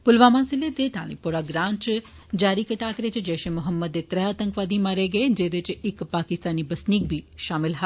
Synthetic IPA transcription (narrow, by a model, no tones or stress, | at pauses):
pʊlʋamãːsilet̪eʈ̪a̰ːnipoɾaɡɾãːɲt͡ʃ | d͡ʒaːɾikəʈaːkɾet͡ʃd͡ʒɛːʃẽmʊɦəmːəd̪et̪ɾɛɦaːt̪ə̃ŋkʋaːd̪ʱimaɾeɡəed͡ʒed̪et͡ʃɪkpaːkɪst̪aːnibɐsnik̚bʱiːʃaːmɪlɦa